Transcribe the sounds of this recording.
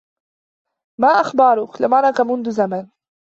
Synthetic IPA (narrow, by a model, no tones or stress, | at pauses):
maːʔaxbɑɾˤʊklɪmaʕnakamʊnðʊzaman